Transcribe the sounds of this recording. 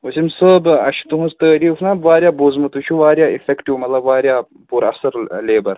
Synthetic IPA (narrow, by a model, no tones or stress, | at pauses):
usimsəːbɐ̰ʃt̪uɦũst̪əːɾiːfnabʋaːɾjaːbozmɨt̪ut͡ʃʰuʋaːɾjaːifekʈiʋmɐt̪lɐbʋaːɾʲjaː | puɾɐ̰sɐɾleːbɐɾ